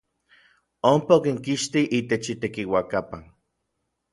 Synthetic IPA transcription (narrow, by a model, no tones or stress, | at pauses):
ompaokiŋkiʃt̪iʔit̪et͡ʃit̪ekiwakapan